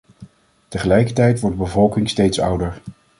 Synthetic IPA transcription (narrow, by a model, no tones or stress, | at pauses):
təχəlɛjkəɹtɛjtʋɔɹdəbəvɔlˠkɪŋstejtsʌ̰wdəɹ